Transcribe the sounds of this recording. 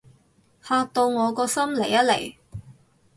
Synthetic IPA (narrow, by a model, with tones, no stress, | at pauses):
haː˧k̚t̪o˧wŋɔː˨˧kɔː˧sɐ˥mle˨˩jɐ˥t̚le˨˩j